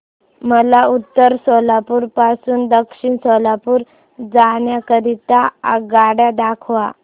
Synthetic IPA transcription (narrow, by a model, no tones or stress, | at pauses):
məlaut̪ːəɾsɔlapuːɾpasuːnd̪əkʂiɳsɔlapuːɾ | d͡zaɳjakəɾit̪aa̰ɡaɽjad̪akʰʋa